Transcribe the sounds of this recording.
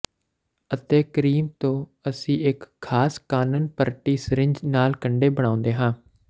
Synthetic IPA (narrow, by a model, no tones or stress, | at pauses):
ət̪eːkəɾiːmt̪õːəsĩːɪkʰːaːskaːnənpəɾʈiːsɾɪ̃ɲd͡ʒnaːlkəɳɖeːbəɽ̃ãːʊ̃nd̪eːɦãː